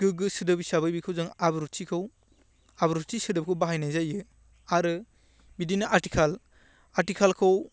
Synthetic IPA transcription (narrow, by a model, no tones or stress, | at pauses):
ɡ̥ɯɡɯsɯdɯbisabɯjbikʰɯwzɯŋabɯɾutʰikʰɯw | abɯɾutʰisɯdɯp̚kʰɯwbaɦajnajzajɯ | aɾɯ | bidinɯʔaɾti̥kʰal | atikʰalkʰɯw